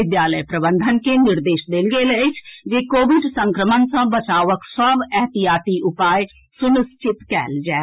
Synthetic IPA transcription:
ɪd̪jaːləjpɾəbə̃nd̪ʱənkenɪɾd̪eːʃd̪eːlɡeːləɪt͡ʃʰd͡ʒeːkoːʋɪɖsə̃ŋkɾəmənsãːbət͡ʃaːʋəksəbɛːɦt̪ɪjaːt̪iʔʊpaːj | sʊnʊst͡ʃɪt̪kɛ̰ːld͡ʒaː

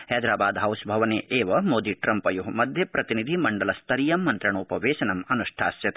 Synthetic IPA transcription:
hɐjd̪ɾaːbaːd̪ɦɐwʃbʱɐʋɐneːʔeːʋɐmoːd̪iʈɾɐmpɐjuɦɐmɐd̪ʱjɐpɾɐt̪inid̪ʱimɐɳɖɐlɐst̪ʰɐɾijɐmːɐnt̪ɾɐɳoːpɐʋeːʃɐnɐmɐnuʂʈʰa̰ːsjɐt̪

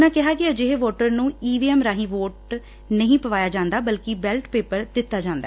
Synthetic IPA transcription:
nãːkɪɦaːkɪəd͡ʒɪɦeʋoːʈəɾnũːiːʋiːɛːmɾaːɦĩːʋoːʈ | nəɦĩːpəʋaːjaːd͡ʒãːnd̪aːbəlkɪbɛlʈpeːpəɾd̪ɪt̪ːaːd͡ʒãːnd̪a̰ː

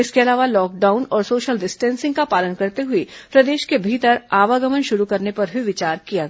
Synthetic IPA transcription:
ɪskeɐlaːʋalɔːk̚ɖaːʊnɔːɾsoːʃəlɖɪsʈɛ̃ːnsɪ̃ŋɡkapaːlənkɐɾt̪eɦʊipɾɐd̪eːʃkebʱiːt̪əɾaːʋaɡɐmənʃʊɾukɐɾnepɐɾbʱiʋɪt͡ʃaːɾkija

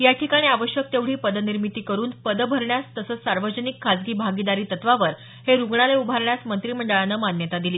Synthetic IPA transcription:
jaʈʰikaɽ̃iːaʋəɕjək̚t̪eʋɽ̤iːpəd̪əniɾmit̪iːkəɾuːnpəd̪əbʱəɾɳjast̪əsəsaɾʋəd͡ʑənikʰːad͡zɡiːbʱaɡid̪aɾiːt̪ət̪ʋaʋəɾ | heɾuɡɳaleubʱaɾɳjasmənt̪ɾiːm̤əɳɖəɭanːəːmanjət̪ad̪iliː

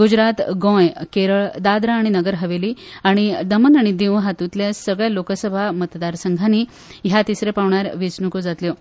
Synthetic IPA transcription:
ɡud͡ʑɾat̪ɡõjkeɾəɭd̪ad̪ɾaːɽ̃inəɡəɾɦəʋeliːaɽ̃id̪əmənaɽ̃id̪iʋɦat̪ut̪ljasəɡɭjalokəsəbʱamət̪d̪aɾsəŋɡʱani | ɦjat̪isɾepaʋɳaɾʋet͡snukod͡zat̪ljo

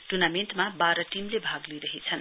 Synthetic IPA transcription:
ʈurnamenʈmabaɾʌʈimlebʱaɡliɾʌɦit͡sʰʌn

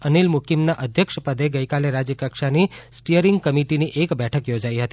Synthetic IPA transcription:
ənilmukimnaʔəd̪ʱjəkʃpəd̪eɡəikaleɾad͡ʒjəkəkʃanisʈijəɾiŋɡkəmiʈiniʔekbɛʈʰəkjod͡ʒaiɦət̪i

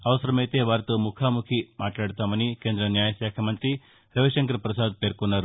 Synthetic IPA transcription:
ɐʋɐsɐɾɐmɐjt̪eːʋaːɾt̪umukʰaːmukʰimaːʈlaːɽut̪aːmɐnikeːnd̪ɾɐnjaːjɐʃaːkʰɐmɐnt̪ɾi | ɾɐʋiʃɐŋkɐɾɐpɾɐsaːd̪̚peːɾkonːɐɾ

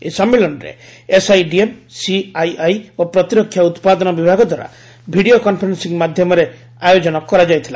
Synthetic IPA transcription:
esɔmːelɔnɾḛesajɖiemsiajajopɾɔt̪iɾɔkʰːjaut̪pad̪ɔnɔbibʱaɡɔd̪ʱwaɾa̰ | bʱiɽiokɔmpʰɔɾensiŋmad̪ʱjɔmɔɾe | ajod͡ʒɔnɔkɔɾad͡ʒajt̪ʰila̰

